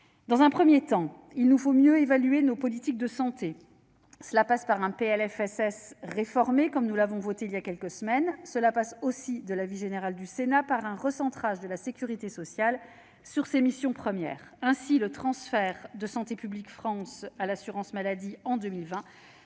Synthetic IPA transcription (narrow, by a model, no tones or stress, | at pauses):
d̪ɑ̃zɛ̃pχəmjet̪ɑ̃ | ilnufomjøevalyenopɔlit̪ik̚d̪əsɑ̃t̪e | səlapaspaʁɛ̃peɛlɛfɛsɛsʁefɔʁmekɔmnulavɔ̃vot̪eiljakʲɛlkəsəmɛnsəlapasosid̪əlaviʒeneʁald̪ysenapaʁɛ̃ʁəsɑ̃t̪χaʒd̪əlasekʲyʁit̪esɔsjal | syʁsemisjɔ̃pχəmjɛ̰ːʁɛ̃silət̪χɑ̃sfɛʁd̪əsɑ̃t̪epyblikfχɑ̃salasyʁɑ̃smalad̪iɑ̃d̪ømilvɛ̃